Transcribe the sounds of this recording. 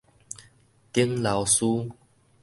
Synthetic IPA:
t̪i˦əŋla˨wsu˦

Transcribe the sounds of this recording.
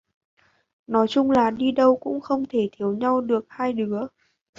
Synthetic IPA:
nɔ˨˦jt͡ɕʊ˧ŋ͡mlaː˨˩ɗi˧ɗə˧wkʊ̰˧˥ŋ͡mxə˧wŋ͡mt̪ʰe˧˩t̪ʰi˨˦əwɲa˧wɗɨ˨˩ək̚haː˧jɗɨ˨˦ə

